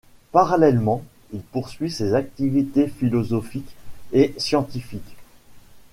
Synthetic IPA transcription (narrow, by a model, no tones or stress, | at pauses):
paʁalɛlmɑ̃ | ilpuʁsɥisezak̚t̪ivit̪efilɔzɔfikesjɑ̃t̪ifik